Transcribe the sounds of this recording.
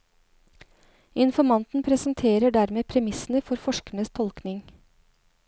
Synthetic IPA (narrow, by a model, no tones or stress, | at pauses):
ɪnfɔɾmɑnt̪n̩pʰɾɛsənt̪ʰeːɾəɖæɾmeːpʰɾɛmɪsn̩əfɔɾfɔʃkəɳəst̪ʰɔlknɪŋ